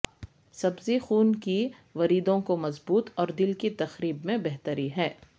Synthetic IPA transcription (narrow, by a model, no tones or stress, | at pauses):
sɐbzixuːnki | ʋɐɾiːd̪õkomɐzbuːt̪ɔːɾd̪ɪlkit̪ɐxɾiːbmẽbɛɦt̪əɾiɦɛː